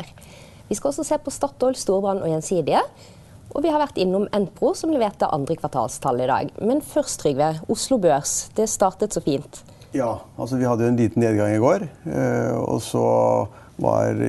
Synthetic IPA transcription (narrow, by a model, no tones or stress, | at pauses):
ʋɪskɑlɔsːɔseːpʰɔst̪ɑt̪ːɔʏlst̪uːʁbɑnʔɔjɛnsiːd̪ɪə | ʔɔʋɪhɑɾʋæʁt̪ɪnːʊmɛnpʁʊsɔmlɛʋeːʁt̪ɑʔɑ̰nd̪ʁəkʰʋɑʁt̪ʰɑ̰ːlst̪ʰɑlːəɪd̪ɑ̰ːɡmɛnfœʁst̪ʁʏɡʋɛʊslʊbøːʁsd̪̥ɛst̪ɑːʁt̪ət̪sɔfiːnt̪ | jɑːʔɑ̰lsɔʋɪhɑd̪ːəjʊɛnliːt̪n̩eːd̪ɡɑŋɪɡoːɾ | ɔ̰sɔ̰ | ʋɑ̰ɾ